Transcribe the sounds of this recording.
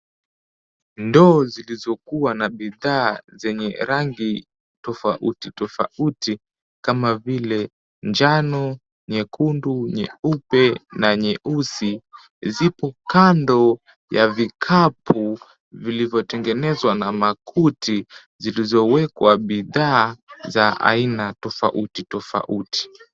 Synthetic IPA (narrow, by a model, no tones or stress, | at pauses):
ndɔːzilizɔkuwanaɓiðaːzɛɲɛɾaŋɡi | tɔfaʔṵtitɔfa̰uti | kamavilɛ | ɲd͡ʒanɔ | ɲɛkʰunduɲɛupɛnaɲɛʔusi | zipɔkandɔ | javikʰapʰu | vilivjɔtɛŋɡɛnɛzwanamakʰutʰi | zilizɔwɛkwaɓiðaːzaa̰inatɔfa̰ʔutitɔfa̰ʔuti̥